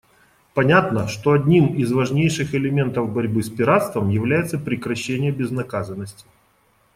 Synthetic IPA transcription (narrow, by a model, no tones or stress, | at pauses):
pɐnʲat̪nəʂt̪oɐdʲnʲimɪzvɐʐnʲejʂɨxɪlʲɪmʲe̞nt̪əvbɐɾʲbɨspʲɪɾat̪st̪vəmjɪvlʲæjɪt̪səpɾʲɪkɾɐɕːenʲɪjəbʲɪznɐkazənːəsʲtʲɪ̥